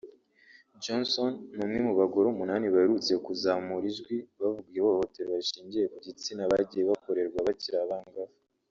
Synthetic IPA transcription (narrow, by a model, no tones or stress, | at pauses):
d͡ʒonsonːumŋimuβaɡo̞ɾoumunaːniβaheɾut͡se̞kuzamuɾiʒɡwiβavuɡijeβooho̞te̞ɾoβaʃiːɲɟije̞kuɟit͡sinaβaɟije̞βako̞ɾe̞ɾɡwaβaciɾaβaŋɡavu